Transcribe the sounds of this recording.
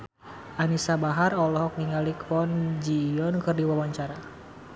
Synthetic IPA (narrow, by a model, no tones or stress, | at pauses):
ʔanisabaɦarɔlɔɦɔk̚niŋalikfɔnd͡ʒijɔnkɨrdiwawaɲt͡ʃaɾa